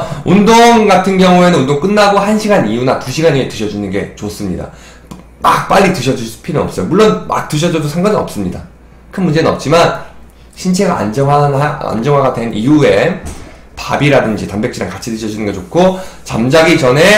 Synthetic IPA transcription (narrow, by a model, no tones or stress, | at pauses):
undoŋɡatʰɯnɡjʌŋue̞nɯnundoŋk͈ɯnːaɡohanɕʰiɡaɲijunatuɕʰiɡaɲietɯɕʰʌd͡ʑunɯnɡe̞t͡ɕos͈ɯmɲida̰ | mak̚p͈aʎːitɯɕʰʌd͡ʑuspʰinɯnʌ̰p̚s͈ʌjomuɭːonma̰k̚t͈ɯɕ̬ʰʌd͡ʑʌdosʰaŋɡʌninʌ̰p̚s͈ɯmɲida | kʰɯnmund͡ʑe̞nɯnʌp̚t͡ɕ͈iman | ɕʰint͡ɕʰe̞ɡaa̰nd͡ʑʌŋanaa̰nd͡ʑʌŋɦaɡade̞nʔijue̞ | pa̰biɾadɯnd͡ʑitambekt͡ɕ͈iɾaŋkat͡ɕʰitɯɕʰʌd͡ʑunɯnɡʌt͡ɕokʰot͡ɕamd͡ʑaɡit͡ɕʌne̞